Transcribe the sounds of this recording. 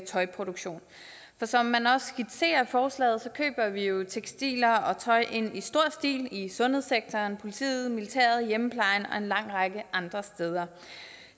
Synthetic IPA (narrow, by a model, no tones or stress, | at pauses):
t͡sʰɒ̽ɪpʰʁo̝d̥oɡ̥ɕo̝̰ːn | fɒ̽sɒ̽mːænɒ̽sɡ̥id̥se̝̰ːɐfɒːslɛ̰ːð̩ˠsɒ̽kʰø̰ːb̥ɐʋijo̝t͡sʰeɡ̥sd̥ḭːlɐɒ̽t͡sʰɒ̽ɪʔe̝n̰isd̥o̝ɐ̰sd̥ḭːlisɔ̽nheseɡ̥̚t͡sʰɒːnpʰo̝lit͡sʰḭːð̩ˠmilit͡sʰæ̰ːɐð̞̩ˠjempʰlɑ̈ɪnɒ̽e̝nlɑ̈ŋ̰ʁɑ̈ɡ̥əʔɑ̈nd̥ʁɐsd̥eːð̞ˠɐ